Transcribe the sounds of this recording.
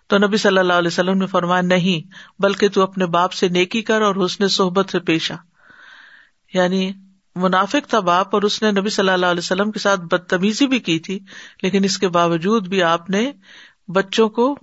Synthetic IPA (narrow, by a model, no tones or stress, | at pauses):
t̪onɐbisɐlːəlːaːɦlɛːsɐlːəmnẽfɐɾmaːjanɐɦĩbɐlket̪uɐpnebaːpseneːkikɐɾɔːɾʊsnesʊɦbət̪sepeːʃaː | jaːni | mʊnaːfɪkt̪ʰabaːpɔːɾʊsnenɐbisɐlːəlaːɦʊlɛːsɐlːəmkesaːt̪̚ʰbɐd̪̚t̪ɐmiːzibʱikiːt̪ʰileːkɪnɪskebaːʋəd͡ʒuːd̪bʱiaːpne | bɐtːʃõko